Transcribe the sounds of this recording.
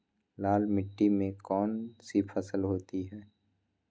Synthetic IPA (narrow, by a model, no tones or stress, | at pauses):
laːlmɪʈːimẽkɔːnsipʰəsəlɦoːt̪iɦɛː